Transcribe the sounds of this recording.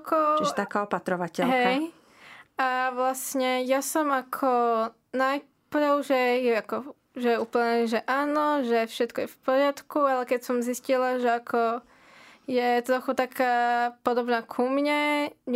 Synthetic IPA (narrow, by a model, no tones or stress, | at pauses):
kɔt͡ʃiʒʒɛt̪akaːɔpat̪ɾɔʋacɛɦɛj | ʔaʋlasɲɛjasɔmakʰɔ | naj | pɾʊʒɛjɛakɔ | ʒɛɛuːpl̩ɲɛʒɛʔaːnɔʒɛfʃɛt̪kɔjɛfpɔɾɪat̪kualɛkɛcsɔmziscilaʒɛakʰɔ | jɛt̪ɾɔxut̪akʰaːpɔd̪ɔbnaːkʰumɲɛɲ